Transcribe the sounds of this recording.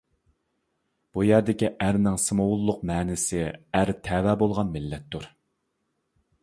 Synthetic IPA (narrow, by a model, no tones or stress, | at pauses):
b̥ujæɾd̪ɪkʲiʔæɾnɪŋsɨmowulˠːʊqmɛːnɪsɪæɾt̪ʰɛwɛːbolˠʁɑnmɪlːɛt̪ʰːuɾ